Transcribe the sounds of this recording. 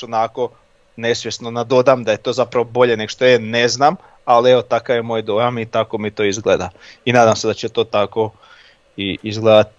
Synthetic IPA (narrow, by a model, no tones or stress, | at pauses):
onako̞ | ne̞sʋje̞snonad̪o̞d̪amd̪aje̞t̪o̞ːzapɾaʋobo̞ʎe̞neɡoʃt̪oene̞znaːm | alieʋo̞t̪akaʋjemo̞ːjd̪o̞jamit̪ako̞mit̪o̞ːizɡlḛd̪ainaːd̪amse̞d̪at͡ɕet̪o̞ːt̪ako̞ | iizɡleːd̪at̪